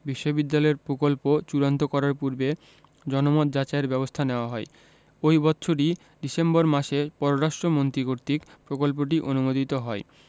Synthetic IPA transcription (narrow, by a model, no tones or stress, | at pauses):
biʃːobid̪ːalɔeɾpɾokolpot͡ɕuɾont̪okɔɾaɾpuɾbe | d͡ʑɔnomɔt̪̚d͡ʑat͡ɕaeɾbɛbost̪ʰaneoaɦɔe | ojbɔtːɕʰoʈi | ɖisemboɾmaʃepɔɾoɾaʃʈɾomont̪ɾikoɾt̪ikpɾokolp̬oʈ̬iʔonumod̪ʱit̪oɦɔe